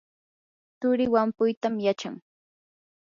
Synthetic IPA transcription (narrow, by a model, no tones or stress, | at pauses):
t̪ʊɾɪwampʊjt̪amjat͡ʃaŋ